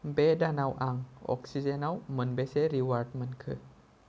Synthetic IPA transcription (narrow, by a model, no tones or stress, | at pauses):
bedanawʔaŋɔ̰ksizenawmənbeseɾiwaɾt̚mənkʰɨ